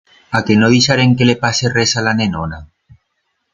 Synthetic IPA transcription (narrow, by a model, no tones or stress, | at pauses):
akenoðisaɾeŋkelepaseresalanenona